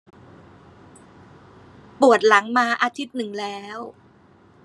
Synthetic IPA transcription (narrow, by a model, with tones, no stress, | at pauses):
pu˨˩ə˩t̪̚la˩˦ŋmaː˧ʔaː˧t̪ʰi˦˥t̪̚nɯ˨˩ŋlɛː˦˥w